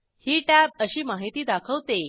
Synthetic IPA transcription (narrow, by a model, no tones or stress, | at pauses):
hiːʈæbəɕiːmaɦit̪iːd̪akʰəʋt̪e